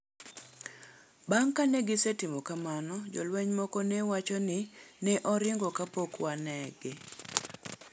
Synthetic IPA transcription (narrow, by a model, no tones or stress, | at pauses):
baŋkaneɡɪsetɪmɔkamanɔd͡ʒɔ̰lwɛɲmɔkɔnɛwat͡ʃɔnɪnɛʔɔɾɪŋɡɔkapokwanɛɡɪ